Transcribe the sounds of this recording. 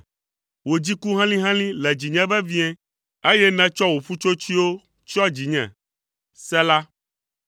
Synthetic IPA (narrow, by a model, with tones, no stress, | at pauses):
wo˨d͡ʑi˦ku˦ɦã˦lĩ˦ɦã˦lĩ˦lɛ˨d͡ʑi˨ɲɛ̃˦bɛ˦vi˦ɛ̃˦ | e˦jɛ˦nɛ̃˦t͡ʃɔ˦wo˨fu˦t͡ʃo˦t͡ɕi˦wo˦ | t͡ʃɔ˦d͡ʑi˨ɲɛ̰̃˨ | sɛ˦la˦